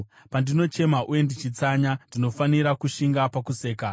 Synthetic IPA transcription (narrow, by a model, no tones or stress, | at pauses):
pandino̞t͡ʃe̞maʔuje̞ndit͡ʃit͡saɲandino̞faniɾakuʃiŋɡapakuse̞ːka